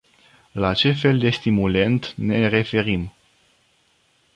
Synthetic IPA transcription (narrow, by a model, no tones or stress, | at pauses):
lat͡ʃe̞fe̞ld̪e̞st̪imule̞nt̪ne̞re̞fe̞ɾim